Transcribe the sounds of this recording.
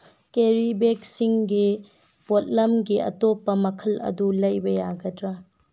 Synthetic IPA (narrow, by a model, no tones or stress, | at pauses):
keɾibek̚siŋɡi | bot̚lɐmɡiʔɐ̰topːɐmɐkʰɐlɐ̰dulɐjbɐjaɡɐdɾɐ